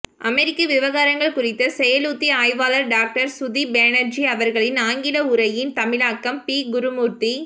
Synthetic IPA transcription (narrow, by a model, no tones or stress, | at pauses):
ʔɐmɛɾɪkːɐʋɪʋɐɣaːɾɐŋɡɐɭkʊrɪt̪ːɐsɛjɐluːt̪ːiaːjʋaːlɐɾɖaːk̚ʈɐɾsʊðibeːnɐɾd͡ʒiɐʋɐɾɣɐɭɪnaːŋɡɪlɐʊɾɐjɪnt̪ɐmɪlaːkːɐmpiːɡʊɾʊmuːɾt̪i